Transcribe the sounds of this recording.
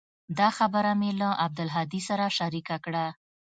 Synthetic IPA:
d̪ɑxabəɾamelaʔab̚d̪ʊlɦɑd̪isaɾaʃaɾikakɽa

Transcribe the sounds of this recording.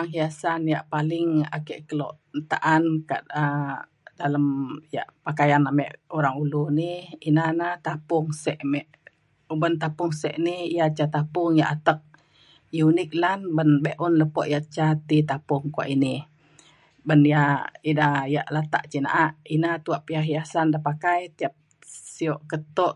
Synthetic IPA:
aŋɦijasanjaʔpalɪŋa̰kəʔkəlɔ̰ʔ | t̪aʔanka̰ʔa | daləmja̰ʔpakajanamɛʔuɾaŋulunihinanat̪apʊŋsɛʔmɛʔ | ubənt̪apʊŋsɛʔnihjat͡ʃat̪apʊŋjaʔat̪ək̚ | junɪk̚lanbənbɛʔunləpɔʔjaʔt͡ʃat̪it̪apʊŋkua̰ʔinih | bənjainaja̰ʔlat̪a̰ʔt͡ʃina̰ʔaʔinat̪uaʔpiaɦijasandapakajt̪iap̚ | siɔʔkət̪ɔʔ

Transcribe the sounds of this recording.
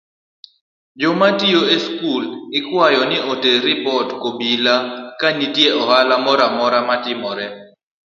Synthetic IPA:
d͡ʒomatijoeskulɪkwajɔnɪoteɾɪpɔtkobilakanitjeʔɔhalamɔɾamɔɾamatɪmɔɾɛ

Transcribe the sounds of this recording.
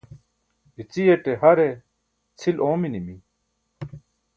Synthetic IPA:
ɦit͡sijeʈeɦɐɾe | t͡sʰiloːminimi

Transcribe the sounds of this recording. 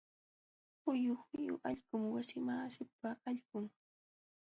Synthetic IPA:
hʊjʊxʊjʊ̰ʔaʎɢʊmwasɪmaːsɪpaːʎɢʊŋ

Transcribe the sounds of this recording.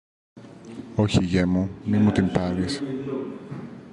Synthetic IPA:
o̞çiʝemumimut̪impɐɾis

